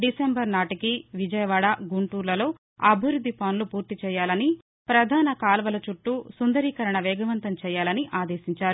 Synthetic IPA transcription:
ɖisembɐɾnaːʈikiʋid͡ʒɐjɐʋaːɽaɡuɳʈuːɾlɐlo̞ː | ɐbʱiʋɾud̪ʱːipɐnlupuːɾt̪it͡ʃɛːjaːlɐni | pɾɐd̪ʱaːnɐkaːlɐʋɐlɐt͡ʃuʈːusund̪ɐɾiːkɐɾɐɳɐʋɛːɡɐʋɐnt̪ɐmt͡ʃɛːjaːlɐniʔaːd̪eːsiɲt͡ʃaːɾu

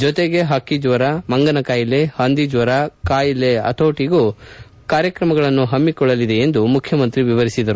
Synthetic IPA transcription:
d͡ʒɔt̪eɡe̞ɦɐkid͡ʒʋɐɾɐmɐŋɡɐnɐkaːjile̞hɐnd̪id͡ʒʋɐɾɐkaːjileɐ̰t̪ʰoːʈiɡu | kaːɾjɐkɾɐmɐɡɐɭɐnːuɦɐmːikɔɭːɐlid̪e̞end̪umukʰjɐmɐnt̪ɾiʋiʋɐɾisid̪ɐɾu

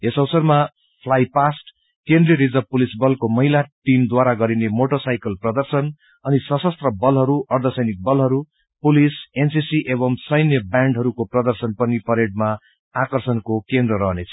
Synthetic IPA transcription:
esʌwsʌrma | pʰlajpasʈ | kend̪riɾid͡zʌbpulisbʌlkomʌɦilaʈimd̪waɾaɡʌɾinemoʈʌsajkʌlprʌd̪ʌrsʌn | ʌnisʌsʌst̪rʌbʌlɦʌɾuʔʌrd̪ʱʌsʌjnik̚bʌlɦʌɾu | pulisensisiʔebʌŋsʌjnjʌbaɳɖɦʌɾukoprʌd̪ʌrsʌnpʌnipʌɾeɖ̚ma | akʌrsʌnkokend̪rʌɾʌɦnet͡sʰʌ̥

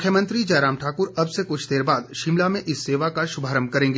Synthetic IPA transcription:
ʊkʰjəmɐ̃nt̪ɾid͡ʒɛːɾaːmʈʰaːkʊɾɐbsekʊt͡ʃʰd̪eːɾbaːd̪ʃɪmlamẽʔɪsːeːʋakaʃʊbʱaːɾəmkɐɾẽːŋɡeː

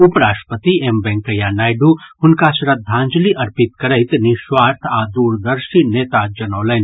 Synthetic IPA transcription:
ʊpəɾaːʃʈpət̪iembɛ̃ŋkəjanaːjɖuhʊnkasɾɐd̪ʱãːnd͡ʒliʔɐɾpɪt̪kɐɾəɪt̪niʃwaːɾt̪ʰad̪uːɾd̪əɾʃineːt̪ad͡ʒɐnəːlən

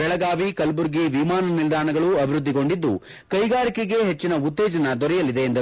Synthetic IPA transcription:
ɛɭɐɡaːʋikɐlbuɾɡiʋimaːnɐnild̪ʱaːɳɐɡɐɭuɐbʱiɾud̪ːiɡo̞ɳɖid̪ːu | kɐjɡaːɾikeɡe̞ɦet͡ʃːinɐut̪ːeːd͡ʒɐnɐd̪ɔɾɛjɐlid̪e̞ːnd̪ɐ

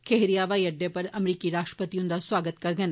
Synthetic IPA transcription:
kʰeɦɾijaʋajɐɖepəɾɐmɾikiɾaʃʈɾə̥pət̪iũnd̪asʋaːɡət̪kəɾɡən

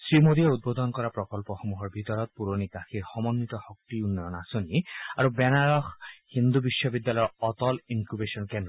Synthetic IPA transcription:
sɹimod̪ieud̪̚bod̪ɔnkɔɹapɹɔkɔlpɔxomuɦɔɹbʱit̪ɔɹɔt̪̚puɹonikaxiɹxɔmɔnːit̪ɔxɔk̚t̪iunːɔjɔnasoniaɹubɛnaɹɔxhind̪ubiʃːɔbid̪ːalɔjɔɔt̪ɔliŋkubesɔnkɛndɾɔ

